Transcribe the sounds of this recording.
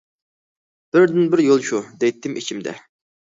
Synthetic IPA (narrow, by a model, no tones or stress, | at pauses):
b̥ɪɾd̪ɪnbɪɾjolˠʃud̪ejt̪ʰːɪmʔit͡ʃʰimd̪ɛ̰